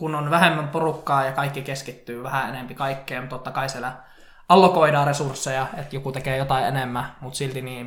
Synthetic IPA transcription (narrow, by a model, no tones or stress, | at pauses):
kunonʋæhemːæmporukːɑːjɑkɑikːikeskit̪ːyːʋæhæenempikɑikːeːmt̪ot̪ːɑkɑisielæ | ɑlːokoidɑːresursːejɑet̪jokut̪ekeːjot̪ɑiʔḛnemːæmut̪silt̪iniː